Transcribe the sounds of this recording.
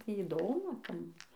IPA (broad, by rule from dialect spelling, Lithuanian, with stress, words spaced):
ˈtʲiː iːˈdoːmʊ ˈtɐm